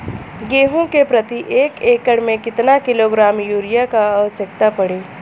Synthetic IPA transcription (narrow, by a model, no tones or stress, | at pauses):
ɡeːɦõkepɾɐt̪iʔeːkeːkəɽmẽkɪt̪nakɪloːɡɾaːmjuːɾijakaːʋəsjək̚t̪apɐɽeː